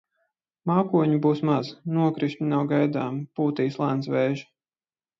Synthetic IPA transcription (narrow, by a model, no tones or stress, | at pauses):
maːkuɔɲubuːsmaznuɔkɾiʃɲinawɡajd̪aːmpuːt̪iːslˠansvɛjʒi